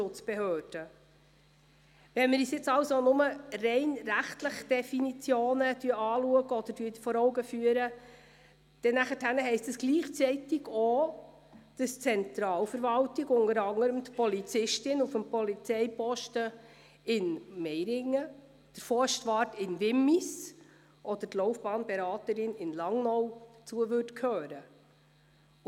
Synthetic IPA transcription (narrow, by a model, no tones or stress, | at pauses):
ʃʊt͡sb̥eɦøːd̥ə | vɛnmɪɾisjɪt͡sɑwsonʊmərɛɪnɾæχtləχd̥ɛfinit͡sjoːnəd̥yəɑːluəɡəɔd̥̪əɾdyːdfɔɾɔwɡəfyəɾə | d̥ɛnːæχəthænəɦɛɪstəsɡ̥liːχt͡siɪtɪɡo | d̥ɑst͡sɛnt̪ɾɑːlfəɾʋɑltɪɡʊnəɾɑŋəɾəmt̪pɔlit͡sɪʃtɪnufəmpɔlit͡sɛjpɔʃtə | ɪnmɛjɾɪŋːə | d̥əɾfɔʃtʋɑːɾtɪnʋɪmːis | ʔɔd̪̥ətlɔʊfb̥ɑːnbɛɾɑːt̪əɾɪnɪnlɑŋnɔwd̥ət͡suəʋørtkʰhøːɾə